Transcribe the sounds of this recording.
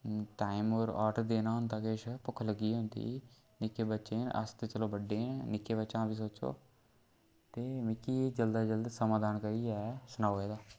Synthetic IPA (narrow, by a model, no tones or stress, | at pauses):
ʈaːimoːɾɔ̰ːʈəɾd̪eːnaːɦʊnt̪aːkeʃpʊkʰːləɡiːɦʊ̃nd̪ḭː | nɪkːeːbətːʃeːnə̰st̪et͡ʃəloːbəɖːeːnɪkːeːbətːʃãːbiːs̬oːt͡ʃo̰ː | t̪eːmikiːd͡ʒəld̪aːd͡ʒəld̪səmãːd̪aːnkəɾiːɛːsʊnaːoeːd̪aː